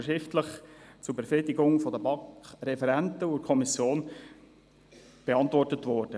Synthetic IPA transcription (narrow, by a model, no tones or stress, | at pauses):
ʃɪftləχt͡sʊɾbefɾɪdɪɡʊŋfɔd̪əbɑkʰɾɛfɛɾæntəukʰɔmisjoːn | b̥eɑntʋɔrtətʋɔɾd̥ə